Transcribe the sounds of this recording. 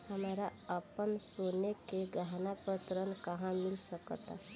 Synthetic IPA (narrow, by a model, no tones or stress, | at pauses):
həmaːɾaəpənsonekeɡəɦnapət̪ɾənkəɦãmɪlsəkt̪a̰